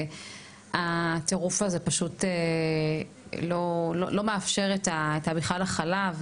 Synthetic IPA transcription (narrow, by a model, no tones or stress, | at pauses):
at̪eʁufazepaʃute | lo̞lo̰lo̞meafʃe̞ʁetaetabiχalaχalav